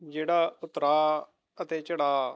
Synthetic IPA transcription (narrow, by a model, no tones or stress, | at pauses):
d͡ʒeːɽaːʊt̪ɾaː | ət̪eːt͡ʃəɽaː